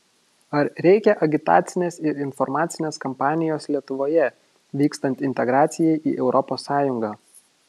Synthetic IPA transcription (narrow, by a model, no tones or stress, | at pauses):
ɐɾɾʲɛɪkʲɛʔɐɡʲɪt̪ɑ̰ːt̪sʲɪnʲeːsɪɾɪnfɔɾmɑːt̪sʲɪnʲeːskɔmpɑːnʲɪjoːslʲiɛt̪ʊʋoːjɛ | ʋʲiːkst̪ɐnʲt̪ʲɪnʲt̪ʲɛɡɾɑːt̪sʲɪjɛɪʔḭːʔɛʊɾʔɔpoːsːɑːjʊŋɡɑː